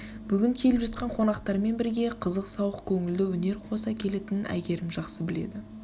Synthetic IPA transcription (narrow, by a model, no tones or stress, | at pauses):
b̥ʏɡʲɪŋkʲʰe̞lɪpʒɑt̪̚qɑɴqʰo̞nɑqt̪ɑɾme̞nbɪɾɡʲe̞qʰəzəqsɑwəqkʲʰɵŋɪld̪ɪwɵne̞ɾqʰo̞sɑkʲʰe̞le̞t̪ɪnɪnæ̰jɡʲe̞ɾɪmʒɑqsəbɪle̞̰d̪ɪ